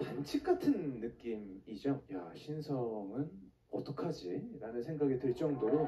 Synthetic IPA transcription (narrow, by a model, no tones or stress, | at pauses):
pant͡ɕʰik͈atʰɯnːɯk͈imid͡ʑʌjaɕʰinsʰʌŋɯn | ʌt͈ʰʌkʰad͡ʑiɾanɯnsʰe̞ŋɡaɡedweɭt͡ɕ͈ʌŋdoɾo